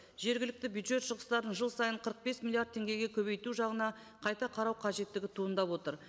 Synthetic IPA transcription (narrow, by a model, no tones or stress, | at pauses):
ʒ̥e̞ɾɡʲɪlɪk̚t̪ɪbjud̪ʒe̞t̪ʃəʁəst̪ɑɾənʒəlˠsɑjəɴqʰəɾəq̚be̞smilˠijaɾd̪ʰe̞ŋɡʲe̞ɡʲe̞kʲʰɵβe̞jt̪uʒɑʁənɑ | qʰɑjt̪ɑqʰɑɾɑwqʰɑʒe̞t̪ːɪɡʲɪt̪ʰuənd̪ɑpwo̞t̪əɾ